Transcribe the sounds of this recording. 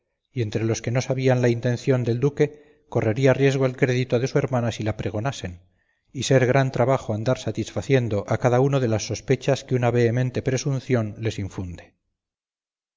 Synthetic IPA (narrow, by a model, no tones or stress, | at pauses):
ie̞nt̪ɾe̞lo̞ske̞no̞saβianlaint̪e̞n̟θjo̞nd̪e̞ld̪uke̞ | ko̞re̞ɾiarje̞zɣ̞oalkɾe̞ðit̪oðe̞sue̞ɾmanasilapɾe̞ɣ̞o̞nase̞n | ise̞ɾɣ̞ɾant̪ɾaβaxoand̪aɾsat̪isfaθje̞nd̪o̞ʔakaðaunoðe̞lasːo̞spe̞t͡ʃaskeunaβe̞ːmẽ̞nt̪e̞pɾe̞sunθjo̞nle̞siɱfund̪e̞̥